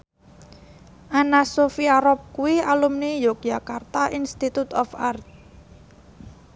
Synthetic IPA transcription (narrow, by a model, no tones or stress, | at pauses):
ʔanasofiaɾɔp̚kuwialumnijok̚d͡ʒakart̪aʔinst̪it̪ut̪ɔfart̪̚